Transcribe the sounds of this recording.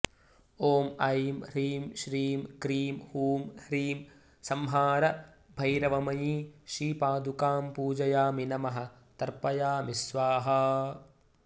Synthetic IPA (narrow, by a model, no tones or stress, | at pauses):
oːmɐjimhɾiːmʃɾiːmkɾiːmhuːmhɾiːm | sɐmɦaːɾɐ | bʱɐjɾɐʋɐmɐjiːʃiːpaːd̪ukaːmpuːd͡ʒɐjaːminɐmɐɦɐ̆ | t̪ɐɾpɐjaːmisʋaːɦɐ̆